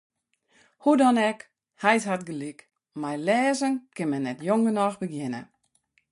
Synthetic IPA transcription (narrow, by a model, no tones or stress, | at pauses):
hudɔnɛk | hajtɦatɡəlik | majlɛːzənkɪnmɛnːɛtjoŋɡənɔxbəɡjɪnə̰